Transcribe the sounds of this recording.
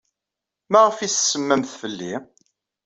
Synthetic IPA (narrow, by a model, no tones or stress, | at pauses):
mæʁəfissəmːæmθfəlːi